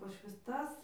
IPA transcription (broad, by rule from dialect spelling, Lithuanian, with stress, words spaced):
pɐʃ ʋʲɪsˈtɐs